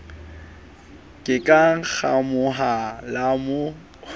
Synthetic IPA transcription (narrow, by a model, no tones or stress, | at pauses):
kʼɪkʼaŋ̩k͡xʰamʊɦalamo